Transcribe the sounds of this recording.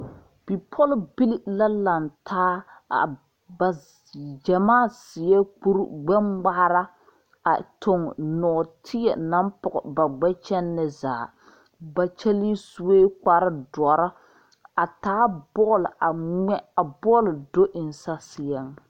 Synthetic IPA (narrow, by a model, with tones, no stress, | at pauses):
b̥i˨pʰɔ˦lbi˦li˦la˦la˨ntʰaː˦a̰˨ | ba˨ | d͡ʒɛ˨maː˦˨sɪ˨jɛ˦k͡pu˦ɾ̰ɡ͡bɛ˦mɡ͡ba˦ɾa˦ | a̰˨tʊ˨ŋnɔː˨tʰɪ˦ɛ̰˨na˦mpʊ˨ɣɔ˨ba˨ɡ͡bɛ˦t͡ʃɛ˦nːɪ˦za̰ː˨ | ba˨t͡ʃɛ˦li˦su˦weː˦k͡pa˨ɾɪ˦dɔ˨ɾa˦ | a˨taː˦bɔ˦la˨ɛ˦a˨bɔ˦ldo˦ʔɪ˨n˨sa˦sɪ˨jɛ˦ŋ